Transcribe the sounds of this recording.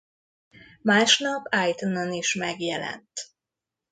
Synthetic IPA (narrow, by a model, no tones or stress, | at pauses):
maːʃnɒpajt̪unoniʃmɛɡjɛlɛ̰nt̪